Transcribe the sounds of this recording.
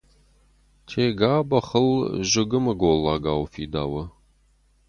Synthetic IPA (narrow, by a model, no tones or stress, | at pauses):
tʰeːɡaːbɐχəlʒɪɡɨmɐɡoːlːaːɡaːwfiːd̪aːwɐ